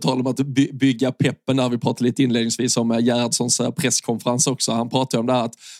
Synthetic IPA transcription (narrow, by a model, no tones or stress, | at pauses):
t̪ʰɑːlaɾɔmat̪bʏbʏɡːapʰɛpːənæɾvɪpʰɾɑːt̪aɾɭiːt̪əɪnleːd̪nɪŋsviːsɔmjæːɾad̪ʂɔnspʰɾɛskʰɔnfəɾansɔksɔhanpʰɾɑːt̪ad̪əɾɔmd̪ɛhæːɾat̪